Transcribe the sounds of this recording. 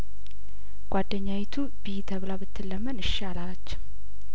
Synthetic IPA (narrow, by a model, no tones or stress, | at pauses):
ɡ̥ʷad̪ːəɲːawit̪ʰu | bijt̪ʰəβlabɨt̪ʰːɨlːəmːənɨʃːalalat͡ʃːɛ̥w